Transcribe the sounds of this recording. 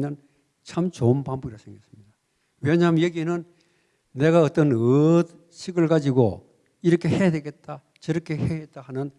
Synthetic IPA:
ɲan | t͡ɕʰamt͡ɕonpambuɡiɾasʰeŋɡes͈ɯmɲida | weɲamjeɡinɯnː | e̞ɡaʌt͈ʌnɯt | ɕʰiɡɯɭɡad͡ʑiɡo̰ | iɾʌkʰe̞he̞jadeɡe̞t̚t͈a | t͡ɕʌɾʌkʰe̞heet̚t͈ahanɯn

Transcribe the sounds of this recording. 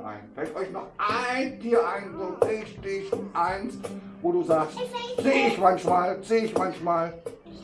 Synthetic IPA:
ʔa̰ɪnfɛltʔɔʏçnɔχʔaɪndiːɐʔaɪnzoːdɪːçd̥ɪçʔaɪnsvoːɾuːzaːkstz̥eːɪçmançmaːlz̥eːɪçmançmaːl

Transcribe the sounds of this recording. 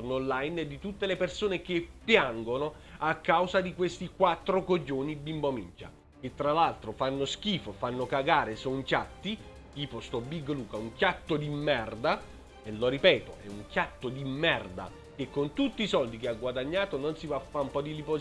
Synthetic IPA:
nonlajned̪it̪ut̪ːelepersoːnek̟epːjaŋɡono | akːawzad̪ikwest̪ikwat̪ːɾokod͡ʒːoːnibimbomint͡ʃa̰ | k̟et̪ːɾalalt̪ɾofanːosk̟iːfofanːokaɡaːɾesoŋkʲjat̪ːi | t̪iːpost̪ɔbiɡːluːkauŋkʲjat̪ːod̪imːɛrd̪a | eloɾipɛːt̪oɛuŋkʲjat̪ːod̪imːɛrd̪a̰ | k̟ekːont̪ut̪ːiːsɔld̪ikeaɡwad̪aɲːaːt̪ononsivafːaumpɔd̪ilipo

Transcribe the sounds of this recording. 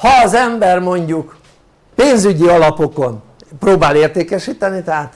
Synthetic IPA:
hɒːzɛmbɛrmo̞ɲɟuk | peːnzyɟiɒlɒpo̞ko̞n | proːbaːleːrt̪eːkɛʃiːt̪ɛnit̪ɛɦaːt̪

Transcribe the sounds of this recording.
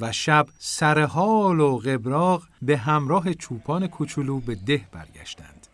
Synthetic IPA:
væʃæbsæɾeɦɒːloɣe̞bɾɒːɢbe̞ɦæmɾɒːɦe̞t͡ʃʰuːpʰɒːne̞kʰut͡ʃʰuluːbe̞d̪e̞hb̥æ̰ɾɟæ̰ʃt̪æ̰nd̪̥

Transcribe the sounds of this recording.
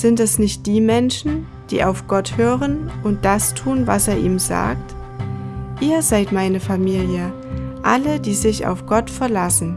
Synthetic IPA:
z̥ɪntɛsnɪçt̚d̥iːmɛnʃn̩ | d̥ḭːʔaʊfɡ̥ɔthøːʁənʔʊnt̚d̥astʰuːnvaseːɐʔiːmza̰ːk̚t | ʔiːɐzaɪtmaɪnəfamiːljə | ʔalədiːzɪça̰ʊfɡ̥ɔtfɛɐlasn̩

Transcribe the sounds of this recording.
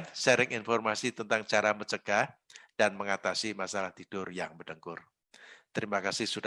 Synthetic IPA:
sɛɾɪŋʔɪnfɔrmasit̪ənt̪aŋt͡ʃaɾamət͡ʃəɡ̥ahd̥anməŋat̪asimasalaht̪id̥ʊrjaŋbət̪əŋkʊr | t̪əɾimakasɪhsud

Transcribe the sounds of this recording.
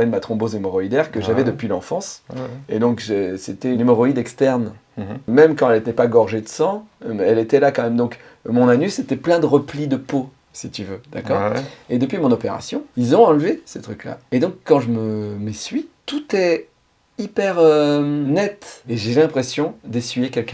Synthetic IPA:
ed̪əmat̪χɔ̃bozemɔʁɔid̪ɛʁkəʒavɛd̪əpɥilɑ̃fɑ̃sḛd̪ɔ̃kʒeset̪ɛynemɔʁɔid̪ɛkst̪ɛʁn | mɛmkɑ̃ɛlet̪ɛpaɡɔʁʒed̪əsɑ̃ɛlet̪ɛlakɑ̃mɛmd̪ɔ̃k | mɔ̃nanyset̪ɛplɛ̃d̪əʁəplid̪əpo | sit̪yvød̪̥akɔʁed̪əpɥimɔ̃nɔpeʁa̰sjɔ̃ilzɔ̃ɑ̃lvesət̪χykla̰ed̪ɔ̃kːɑ̃ʒəməmesɥit̪ut̪ɛ | ipɛʁønɛt̪eʒelɛ̃pχesjɔ̃d̪esɥijekʲɛlkɛ̃

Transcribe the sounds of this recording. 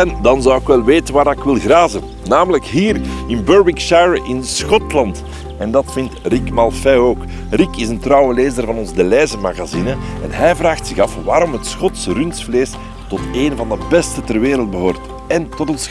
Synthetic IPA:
ɛndɑnzɑwɪkʋɛlˠʋeːtənʋaːɾɪkʋɪlˠɣraːzə | naːmələkɦiːrɪnbøɹbɪkʃajɹəʔɪnsxɔtlɑnt | ɛndɑtfɪntrikmɑlˠfɛoːk | rikɪzəntrɑwəleːzərvɑnɔnzdəlɛːzəmaɣazinəɛnɦɛjvraːxtsɪɣɑfʋaːɾɔmɦətsxɔtsrynsfleːs | tɔteːnvɑndəbɛstətərʋeːɾəlˠd̚bəɦoːrt | ɛntɔtɔns

